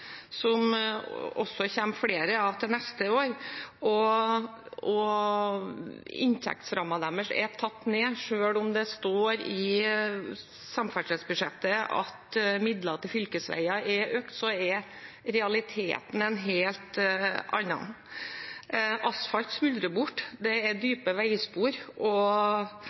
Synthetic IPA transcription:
sɔm | ɔ̰sːɔçɛmːfɽeːɾəɑʋt̪ʰɪlnɛst̪əoːɾɔ | ʔɔ | ɪ̰nt̪ʰɛ̰k̚t̪sɾɑmːɑd̪æməʂɛ̰t̪ʰɑt̪ːneːʂøːlʊmd̪ɛst̪oːɾɪ | sɑmfæʈʰɾɛd̪sbʉʂɛt̪ːəɑ̰t̪mɪd̪lɑt̪ʰɪlfʏlkəsʋæ̰ɪɑɛɾʔøːkt̪sɔɛɾ | ɾɛɑlɪt̪ʰḛːt̪n̩ɛnɦeːlt̪ɑ̰nːɑ̰n | ʔɑsfɑlt̪smʉld̪ɾəbʊʈːd̪ɛɛɾd̪yːpəʋæɪspuːɾʔɔ

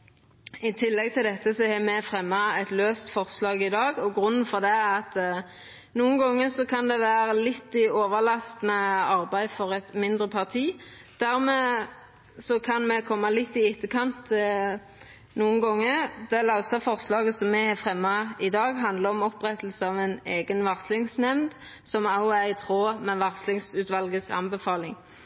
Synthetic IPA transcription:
ɪt̪ʰɪlːɛɡ̚t̪ʰɪld̪ɛt̪ːəsɔhɛmɛfʁɛmːɑɛt̪løːst̪fɔʁslɑːɡɪd̪ɑːɡɔɡɾʉnːnfɔʁd̪ɛɑt̪ | nuːənɡɔŋːəsɔkʰɑnd̪ɛʋæːɾəlɪt̪ːɪoːʋəlɑst̪mɛɑʁbæɪd̪fɔʁɛt̪mɪnd̪ʁəpʰɑʁt̪ʰiː | d̪̥æɾmɛː | sɔkʰɑnmɛkʰɔmːɑlɪt̪ːɪɪt̪ːəkʰɑnt̪ | nuːənɡɔŋːəɾd̪̥ɛlɑʊsɑfɔʁslɑːɡəsɔmːɛhɛfʁɛmːɑɪd̪ɑːɡɦɑnd̪ləɔmɔpʁɛt̪əl̩səɑʋæneːɡənʋɑʁslɪŋsnɛmnd̪ | sɔmɑʊæɪt̪ʰʁoːmɛʋɑʁslɪŋsʉːt̪ʋɑlɡəsɑ̰nbəfɑːlɪŋ

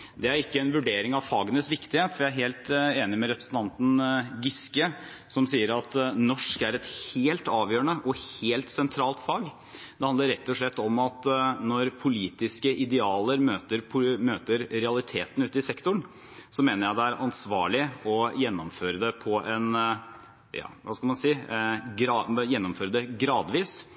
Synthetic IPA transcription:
d̪ɛæɾɪkːəɛnʋʉɖeːɾɪŋɑʋfɑːɡənəsʋɪkt̪ɪheːt̪ʋɪæɾɦeːlt̪eːnɪmɛɾɛpɾəsn̩t̪ʰɑnt̪n̩ɡʏskə | sɔmsiːəɾɑt̪nɔʂkæɾɛt̪heːlt̪ɑːʋjøːəɳəʔɔheːlt̪sɛnt̪ʰɾɑːlt̪fɑːɡ | d̪ɛhɑnd̪əɾɛt̪ːɔʂɭɛt̪ːɔmɑt̪nɔɾpʰʊliːt̪ɪskəʔɪd̪ɛɑːləɾmøːt̪əɾpʰʊmøːt̪əɾɾɛɑlˠɪt̪ʰeːt̪n̩ʉːt̪ɪsɛkt̪ʊɳ | sɔmeːnəɾjæɪd̪ɛæɾʔɑnsʋɑːɭɪɔjɛnːɔmføːɾəd̪ɛpʰɔɛn | jɑ̰ːʋɑskɑlmɑnsiːɡɾɑjɛnːɔmføːɾəd̪ɛɡɾɑːd̪ʋiːs

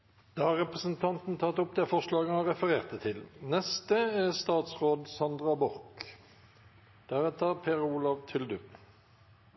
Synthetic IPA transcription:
d̪̥ɑːhɑʁɛpʁəsən̩t̪ʰɑnt̪n̩t̪ʰɑt̪ɔp̚d̪ɛfɔʂlɑːɡənhɑʁɛfəʁeːʁt̪d̪ɛt̪ʰɪlnɛst̪əæst̪ɑːt̪sʁoːd̪sɑnd̪ʁɑbɔʁk | d̪̥æʁɛt̪əʁpʰeːʁuːlɑʋt̪ʰʏld̪ʉ

